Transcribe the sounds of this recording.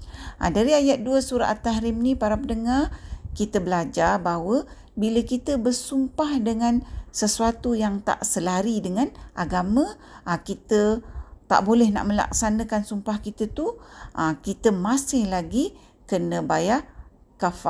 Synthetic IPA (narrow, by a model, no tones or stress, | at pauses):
ʔa̰daɾiajat̪̚duəsuɾa̰ʔat̪aɦɾɪmnipaɾapənəŋarkit̪əbəlad͡ʒarbaɦwə | biləkit̪əbərsumpahdəŋãnsəsuat̪ujaŋt̪a̰ʔsəlaɾidəŋãnʔaɡamə̃ | kit̪ət̪a̰ʔbolɛhna̰ʔmə̃la̰ksanə̃kansumpahkit̪ət̪uʔakit̪əmasɪhlaɡi | kənə̃baja | kafa̰